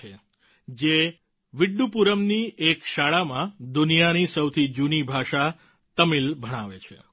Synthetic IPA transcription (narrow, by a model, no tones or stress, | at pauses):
e | d͡ʒe | ʋiɖːupuɾəmniekʃaɭamãd̪unijanisəwt̪ʰid͡ʒunibʱaʃa | t̪əmilbʱəɽ̃aʋet͡ʃʰḛ